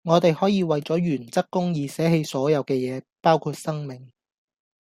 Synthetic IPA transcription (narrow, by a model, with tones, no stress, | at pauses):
ŋɔː˨˧t̪e˨jhɔː˨˥jiː˨˧wɐ˨jt͡sɔː˨˥jyː˨˩nt͡sɐ˥kːʊ˥ŋjiː˨sɛː˨˥ɦe˧jsɔː˨˥jɐ˨˧wkɛː˧jɛː˨˧paː˥wkʰuː˧t̚sɐ˥ŋmɪ˨˩ŋ